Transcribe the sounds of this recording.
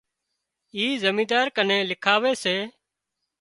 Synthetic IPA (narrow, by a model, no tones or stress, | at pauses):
iːzəmĩːd̪aːɾkəneːlɪkʰaːʋeːseː